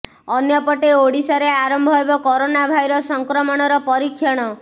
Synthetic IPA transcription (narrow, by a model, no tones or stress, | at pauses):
ɔnjɔpɔʈeoɽisɔɾeaɾɔmbʱɔɦebɔkɔɾonabʱajɾɔsɔŋkɾɔmɔɽ̃ɔɾɔpɔɾikʰːjɔɽ̃ɔ